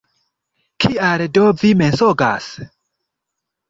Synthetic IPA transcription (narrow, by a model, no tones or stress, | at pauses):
kʰialdovimensoɡa̰s